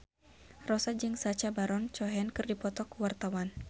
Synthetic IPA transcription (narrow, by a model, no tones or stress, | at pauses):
rɔsad͡ʒɨŋsat͡ʃabaɾɔnt͡ʃɔɦɛnkɨrdipɔt̪ɔkuwart̪awan